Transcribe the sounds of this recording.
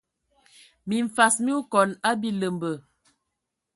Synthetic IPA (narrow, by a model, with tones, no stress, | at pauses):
mi˨ɱ̩˨fa˨smi˦u˦kɔ˨la˦bi˦lə˨mbə˨